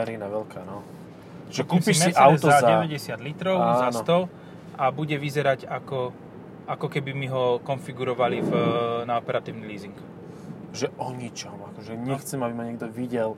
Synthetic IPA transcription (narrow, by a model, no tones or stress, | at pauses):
ɛɾinaʋɛlkʰaːnɔ | ʒɛkuːmsimɛʔaʊzɔaɟɛɛɟɛsɪad̪lit̪ɾɔʊazanst̪ɔl | ʔabuɟɛʋizɛɾaɟakɔ | akɔkɛbimiɦɔkɔnfiɡuɾɔʋalivnaɔpɛɾat̪iːʊniliːziŋk | ʒɛʔɔɲit͡ʃɔmakɔʒɛɲɛxt͡sɛmabimaɲɛɡd̪ɔʋiɟɛl